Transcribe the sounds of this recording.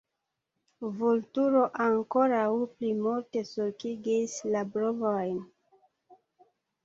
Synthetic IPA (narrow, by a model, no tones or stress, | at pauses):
vultuɾo̞ʔaŋko̞ɾawplimulte̞suɾkiɡislabɾovojn